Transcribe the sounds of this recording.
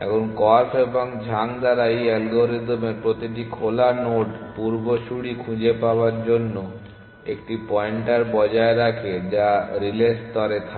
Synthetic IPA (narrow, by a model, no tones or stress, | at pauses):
ɛ̰kʰonkɔɾfeboŋd͡ʑʱaŋd̪aɾajɛlɡoɾed̪omeɾpɾot̪iʈ̬ikʰolanoɖpuɾboʃuɽikʰud͡ʑepaoaɾd͡ʑonːo | ekʈipɔeɳʈaɾbɔd͡ʑaeɾakʰed͡ʑaɾilest̪ɔɾet̪ʰa